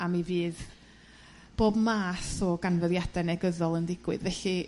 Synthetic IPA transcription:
amiviːð | b̥oːbmaːθɔɡanvəðjadɛnɛɡəðɔlˠəndɪɡ̥wɨðvɛɬi

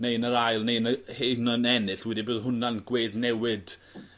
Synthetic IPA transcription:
nejnəɾajlˠnejnəhenənɛnɨɬwɛdiboːðɦʊnanɡweːðnɛwɨd̥

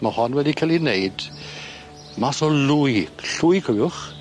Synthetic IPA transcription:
mahɔnwɛdikʰalˠinejd̥ | masɔlʊjɬʊjkʰowjʊχ

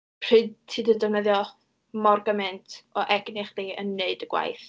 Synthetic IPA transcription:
pʰr̥ɨdtʰːɨːdədɔnəðjɔ | mɔrɡəmɛntʰɔʔɛɡnɪχd̥iːə̰nːeɨdəɡ̥wa̰jθ

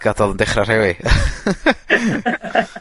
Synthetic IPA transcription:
ɡ̥adɔlˠəndɛχrar̥hɛwi

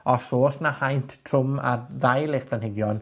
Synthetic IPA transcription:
ɔsoːsnahajntʰtʰrʊma̰ðajlˠeχpʰlanhɪɡjɔn

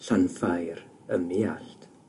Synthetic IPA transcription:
ɬanfajɾ | əmiaɬtʰ

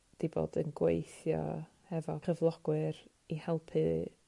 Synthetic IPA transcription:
d̥ibo̰ːdənɡwḛjθjɔ̰ | hɛvɔχəvlˠɔɡ̥wɨɾ | ihɛlˠpʰɨ

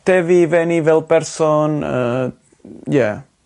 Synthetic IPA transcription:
t̪evivenivɛlˠpɛɾsɔnə | jɛ

